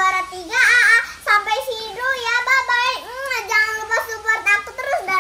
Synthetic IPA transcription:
aɾat̪iɡaːʔasampajsidujababaɪk̩̚ad͡ʒaŋanlupasupərnakut̪əɾʊsda

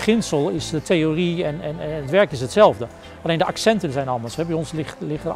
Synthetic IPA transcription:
χɪnsəlˠɪsdətejoriɛnɛnətʋɛɹkɪsɦətsɛlˠvdə | ɑlejndəʔaksɛntənzɛjnɑlˠmdəɹsɦɛbɛjɔnslɪtlɪχtə

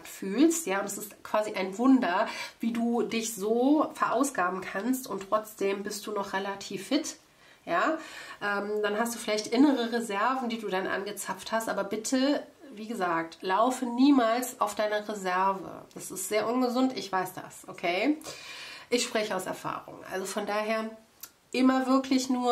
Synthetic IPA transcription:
tfyːlstjaːʊntɛsɪstkv̥aːziʔaɪnvʊndɐviːduːdɪçz̥oːfɛɐʔaʊsɡ̥aːbm̩kʰanstʊntʁ̥ɔt͡sd̥eːmbɪst̚d̥uːnɔχʁelatʰiːfːɪt | jaːʔɛːmd̥anɦastd̥uːfɪlaɪçtʔɪnəʁəʁezɛɐvn̩diːduːdanʔa̰nɡət͡safthastʔaːbɐbɪtʰəviːɡəzaːk̚tlaʊfəniːmaːlsaʊfd̥aɪnɐʁezɛɐvə̰d̥asɪstz̥eːɐʔʊnɡəzʊntɪçv̥aɪsd̥a̰sʔokʰeː | ʔɪçʃpʁ̥ɛçəaʊsɛɐfa̰ːʁʊ̰ŋʔa̰lzofɔndaːɦeːɐ | ʔɪmɐvɪɐkʰlɪçnuːɐ

